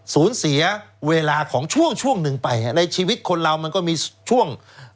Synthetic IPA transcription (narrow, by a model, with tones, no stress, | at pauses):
suː˩˦nsi˩˦ɐweː˧laː˧kʰɔː˩˦ŋt͡ɕʰu˥˩əŋt͡ɕʰu˥˩əŋnɯ˧ŋpa˧ja˧˩na˧jt͡ɕʰiː˧wi˦˥t̪̚kʰo˧nɾa˧wma˧nkɔː˥˩miː˧t͡ɕʰu˥˩əŋ